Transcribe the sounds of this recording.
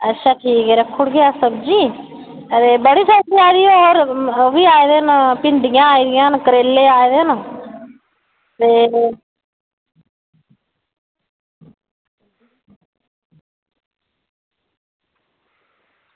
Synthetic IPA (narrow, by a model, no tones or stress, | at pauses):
ətːʃʰaːkʰiːɡeɾɛkʰːʊɽɡeːaːsəbd͡ʒiː | t̪eːbəɽiːsəb̚d͡ʒiːaːd̪iːooːɾoʋiːaːed̪eːnpɪɳɖ̪ɪjãːaːiːd̪ɪjãːnkəɾeːlːeːaːed̪eːn | t̪eː